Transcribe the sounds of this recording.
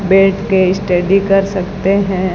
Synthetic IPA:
beːʈkeɪsʈeɖikɐɾsɐkt̪eɦɛ̃

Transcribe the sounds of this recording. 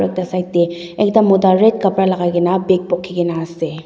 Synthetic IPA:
ɾek̚dasajt̚deɛk̚damːɔdaɾet̚kɐpɾalaɡajɡenabek̚pɔkʰːiɡenase

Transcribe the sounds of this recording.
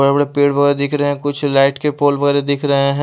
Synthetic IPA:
əebəɽepeːɽʋɐɣɛːɾed̪ɪkʰɾɐɦeɛ̃kʊt͡ʃʰlaːɪʈkepoːlʋɐɣɛːɾed̪ɪkʰɾɐɦeɦɛ̃

